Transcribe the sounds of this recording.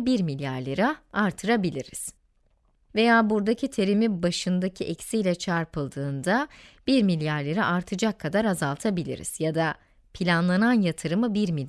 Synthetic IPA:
biɾmilʲjaɾlʲeɾaaɾt̪ʰɯɾabilʲiɾḭz̥ | ve̞jaːbuɾd̪acʰit̪ʰe̞ɾimibaʃɯnd̪acʰiʔɛcsijlʲɛt͡ʃʰaɾpʰɯlˠd̪ɯːnd̪ab̥iɾmilʲjaɾlʲeɾiʔaɾt̪ʰɯd͡ʒakʰːad̪aɾazalˠt̪ʰabilʲḭɾḭz̥jad̪a | pʰilʲanlˠananjat̪ʰɯɾɯmɯbiɾmi

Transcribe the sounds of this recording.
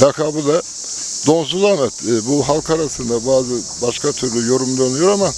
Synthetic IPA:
akʰaːbɯd̪a | d̪o̞ns̬uzanɛt̪ːbuɦalˠkʰaɾasɯnd̪abaːzɯ | baʃkʰat̪ʰyɾd̪ɛjo̞ɾumd̪onujo̞ɾama

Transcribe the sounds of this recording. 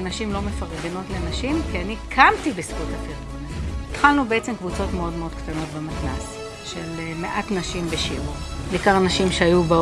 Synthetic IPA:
anaʃimlo̞mefaʁeɡeno̞tlenaʃimkianikʰamtibesɡutapiʁbonittχalnubeet͡semkvut͡so̞tmeo̞dmeo̞dktano̞tbematnas | ʃelmeʔatnaʃimbeʃiuʁbeːkaʁanaʃimʃeajuba

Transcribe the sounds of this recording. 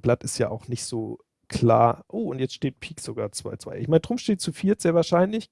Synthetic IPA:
b̥latɪstja̰ːʔaʊxnɪçtz̥oː | kl̥a̰ːɐʔoːʊntjɛt͡stʃteːt̚pʰiːkz̥oɡaːɐt͡sv̥a̰ɪt͡sv̥a̰ɪʔɪ̰çmaɪnədʁʊmʃteːt̚t͡sufiːɐtz̥eːɐvaːɐʃaɪnlɪç

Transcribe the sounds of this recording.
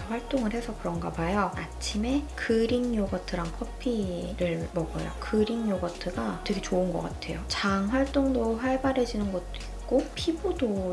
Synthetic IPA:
ʌɸwaɭt͈oŋɯɭhe̞sʰʌkɯɾʌŋɡa̰bajʌat͡ɕʰime̞kɯɾiŋjoɡʌtʰɯɾaŋkʰʌpʰiɾɯɭmʌɡʌ̰jo̰kɯɾiŋjoɡʌtʰɯɡatwe̞ɡe̞t͡ɕoɯnɡʌk͈atʰe̞̰jot͡ɕaŋɸwaɭt͈oŋdoɸaɭbaɾe̞d͡ʑinɯnɡʌt̚t͈oik̚k͈opʰibodo

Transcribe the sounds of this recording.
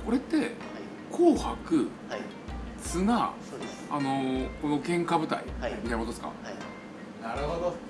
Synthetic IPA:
ko̞ɾe̞t̪ːe̞ | kʰoːhakɯ̟ | t͡sɨnasoeːno̞ko̞no̞kẽ̞ŋkabɯ̟t̪a̰ḭiaimkot̪esɨ̥ka̰ | naɾɯhod̪o

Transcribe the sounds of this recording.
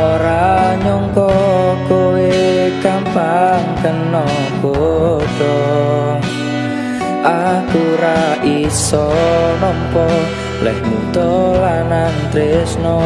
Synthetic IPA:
oɾaɲɔŋkɔkowekampaŋkənːɔ | ɡodɔ | ʔakuɾaʔisɔnɔmpɔ | lɛ̰hmut̪ɔlanant̪ɾesnɔ

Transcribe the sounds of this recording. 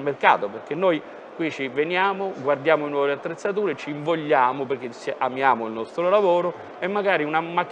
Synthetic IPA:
lmerka̰ːt̪operk̟enːoj | kwit͡ʃivenjaːmoɡward̪jaːmoinwɔːveat̪ːɾet̪sːat̪uːɾet͡ʃiːɱvoʎːaːmoperk̟ːet͡ʃːiʔamjaːmoilnɔst̪ɾolavoːɾo | emːaɡaːɾiunamakː

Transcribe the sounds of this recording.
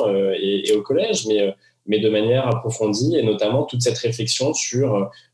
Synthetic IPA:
øeeokɔlɛʒmɛø | mɛd̪əmanjɛʁapχɔfɔ̃d̪ienɔt̪amɑ̃t̪ut̪sɛt̪χeflɛksjɔ̃syʁø

